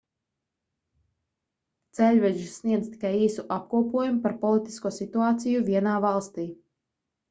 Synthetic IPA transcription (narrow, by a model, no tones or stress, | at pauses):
t̪sɛlʲvɛd͡ʒisːniɛd̪zt̪i̥kajiːsuʔap̚kuɔpuɔjumupaɾpɔlˠit̪i̥skuɔsit̪uaːt̪sijuvʲiɛnaːvalˠst̪iː